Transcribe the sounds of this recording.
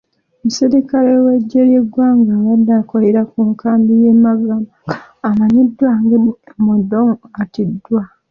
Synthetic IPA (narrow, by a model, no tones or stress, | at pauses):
museɾikaleweɟeɾjeɡwaːŋɡaβadakoleɾakuŋkʰaːmbijemaɡamaamaɲidwaŋɡemodoŋatidːwa